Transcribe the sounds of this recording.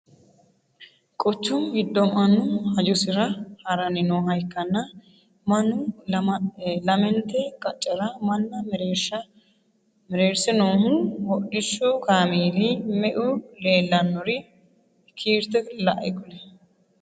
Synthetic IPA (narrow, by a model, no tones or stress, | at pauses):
kʼɔt͡ʃːʊmɡɪd̪ːɔmɐnːʊhɐjʊsɪɾɐhɐɾɐnɪnoːɦɐjkːɐnːɐ | mɐnːʊ | lɐmɛnt̪ɛkʼɐt͡ʃʼːɛɾɐmɐnːɐmɛɾeɐ | mɾeːɾsɪnoːhʊnhɔɗɪʃːɔkaːmiːlimɛʔʊle̞ːlːɐnːɔɾɪ | kʰiːɾt̪ɛlɐ̰ʔɛ̰kʊlɛ